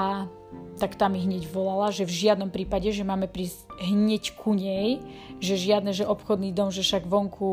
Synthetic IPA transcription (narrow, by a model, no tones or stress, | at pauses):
a | t̪akt̪aːmiɦɲɛɟʋɔlalaʒɛvʒɪad̪nɔmpɾiːpaɟɛʒɛmaːmɛpɾisɦɲɛckʰuɲɛjʒɛʒɪad̪nɛʒɛʔɔpxɔd̪niːd̪ɔmʒɛfʃaɡʋɔŋkʰu